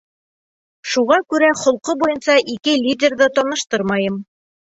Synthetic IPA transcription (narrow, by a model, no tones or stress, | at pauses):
ʃuʁɑkʉɾæχŏlˠqɤbujɤnsɑʔikɘlʲidʲerðɤt̪ɒnɤ̆ʃt̪ɤɾmɑjɤm